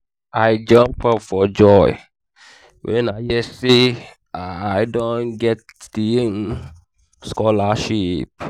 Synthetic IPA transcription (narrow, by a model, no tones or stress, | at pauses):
aɪd͡ʒʌ̃mpʰɔpfɔd͡ʒɔɪ | wʔɛ̃naɪjɛse | aaɪdõnɡɛt̚d̥ien | skɔlaʃip̚